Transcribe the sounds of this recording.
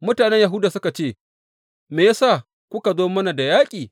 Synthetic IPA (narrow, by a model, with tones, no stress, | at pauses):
mʊ˦taː˨nɛ˦ɲja˨ɦʊ˦daː˨sʊ˦ka˨t͡ʃeː˦˨ | meː˨ja˦saː˦˨ | kʷʊ˦ka˨zoː˦mɐ˦na˨da˨jaː˦kʲʼiː˨